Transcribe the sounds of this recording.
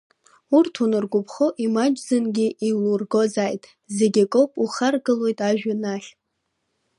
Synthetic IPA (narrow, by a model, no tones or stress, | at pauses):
urtʰunɨrɡʷʊpʰχoʔimad͡ʒzɨnɡʲiʔilurɡo̞zaːjtʼ | zeɡʲikʼowpʼuχarɡɨlo̞jtʼaʒᶣanaχʲ